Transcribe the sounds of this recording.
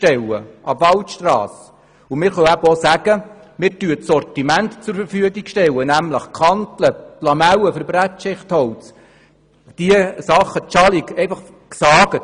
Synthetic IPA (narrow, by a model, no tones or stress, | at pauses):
tɛwə̰ʔɑbvɑltʃtrɑ̰ːs | umɪːɾχœæbəɔsæɡ̥ə | mɪɾtyəsɔrtimæntt͡sʊɾfəɾfyəɡiɡʃtɛwənæmləχkχɑnt̪ləplɑmæwəfəɾbɾætʃɪχthɔwt͡s | d̥iəsɑχːət͡ʃɑlikɛɪfɑχ | ksɑːɡ̥ə